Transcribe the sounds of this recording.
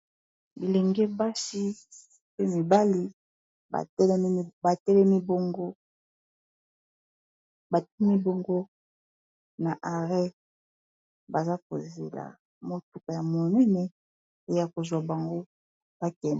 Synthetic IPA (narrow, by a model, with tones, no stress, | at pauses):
bi˨le˨ŋɡɛ˦ba˦si˦ | pe˦mi˨ba˦li˦ | ba̰˨˦ba˨tɛ˦lɛ˦mi˦bo˦ŋɡo˦ | ba˨˦mi˦bo˨ŋɡo˦ | na˨ʔa˨ʁɛ˦ | ba˨za˦ko̰˨zḛ˨la̰˨ | mo˦tu˦ka˨ja˨mo˨nɛ˦nɛ˦ | e˦ja˨ko˨zwa˨ba˨ŋɡo˦ | b̥a˦kɛ˨n˨